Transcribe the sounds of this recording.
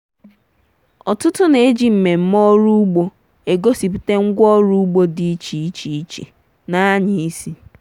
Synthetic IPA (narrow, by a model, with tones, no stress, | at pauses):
ɔ˨tʊ˦tʊ˦ne˨e˦d͡ʒi˦m̩˨me˨m̩˦mɔ˦ɾu˦u˦ɡ͡bo˦ | e˨ɡo˦si˨p̬i̥˨te˦ŋ̩˦ɡʷɔ˦ɾu˦u˦ɡ͡bo˦di˦i˦t͡ʃi˨i˦t͡ʃi˨i˦t͡ʃḛ˨ | na˦ɲɪ˨i˦si˦